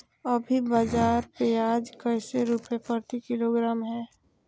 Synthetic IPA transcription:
əbʱibaːd͡ʒaːɾpeaːd͡ʒkəɪseɾuːpepəɾt̪ikɪloɡɾaːmɦɛ̃ː

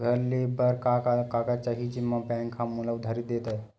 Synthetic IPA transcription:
ɡʱəɾlibəɾkakakakat͡ʃaɦid͡ʒimːabɛ̃ŋkʰãmːulaud̪ʱaɾit̪̚d̪et̪a

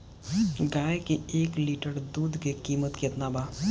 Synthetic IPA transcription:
ɡaːjkeeːkliːʈəɾd̪uːd̪ʱkekiːmət̪keɪt̪naːbaː

